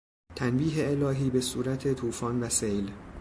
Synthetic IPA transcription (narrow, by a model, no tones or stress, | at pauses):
t̪ʰænbiːɦeelɒːɦiːbe̞suːɾæt̪ʰet̪ʰuːfɒːnvæsejl